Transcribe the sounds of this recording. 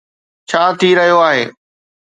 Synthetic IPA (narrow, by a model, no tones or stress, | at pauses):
t͡ɕʰaːt̪ʰiɾɐɦijoaːɦeː